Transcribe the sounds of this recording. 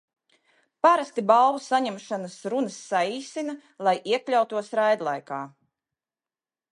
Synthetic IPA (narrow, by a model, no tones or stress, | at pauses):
paɾast̪ibalˠvusaɲɛmʃanasɾunəsːaiːsinɐ | lˠajʔiɛklʲawt̪uɔsɾajd̪lˠa̰jkaː